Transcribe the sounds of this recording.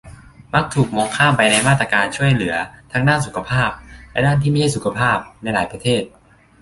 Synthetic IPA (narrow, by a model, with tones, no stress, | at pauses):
ma˦˥k̚t̪ʰuː˨˩k̚mo˧ŋkʰaː˥˩mpa˧jna˧jmaː˥˩t̪ɾaː˧kaː˧nt͡ɕʰu˥˩əjlɯ˩˦ɐt̪ʰa˦˥ŋdaː˥˩su˨˦kʰa˧pʰaː˥˩p̚lɛ̰˦˥daː˥˩nt̪ʰiː˥˩ma˥˩jha˥˩jsu˨˦kʰa˧pʰaː˥˩p̚na˧jlaː˩˦jpɾa˧t̪ʰeː˥˩t̪̚